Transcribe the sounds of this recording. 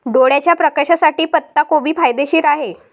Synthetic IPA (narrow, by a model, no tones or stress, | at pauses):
ɖoɽjat͡ɕjapɾəkaɕasaʈiːpət̪ːakobiːpajd̪eɕiːɾaɦe